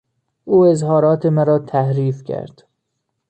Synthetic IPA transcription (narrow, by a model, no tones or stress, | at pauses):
ʔuːe̞zhɒːɾɒːt̪ʰemæɾɒːt̪ʰæhɾiːfcʰæ̰ɾd̪̥